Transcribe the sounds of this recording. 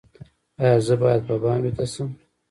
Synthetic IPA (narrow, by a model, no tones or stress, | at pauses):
ɑjɑzəbɑjad̪̚pabɑnwet̪asəm